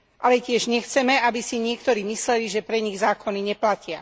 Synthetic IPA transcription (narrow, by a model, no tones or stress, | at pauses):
ʔalɛcɪɛʒɲɛxt͡sɛmɛabisiɲɪɛk̚t̪ɔɾiːmislɛliʒɛpɾɛɲiɣzaːkɔniɲɛplacɪa